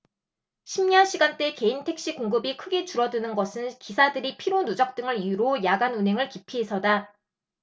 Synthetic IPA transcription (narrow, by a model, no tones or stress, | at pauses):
ɕʰimɲʌnɕʰiɡant͈e̞ke̞intʰe̞k̚ɕ͈ikoŋɡɯbikʰɯɡe̞t͡ɕuɾʌdɯnɯnɡʌsʰɯnkisʰadɯɾipʰiɾonud͡ʑʌk̚t͈ɯŋɯɾijuɾojaɡanunɦe̞ŋɯɭkipʰiɦesʰʌda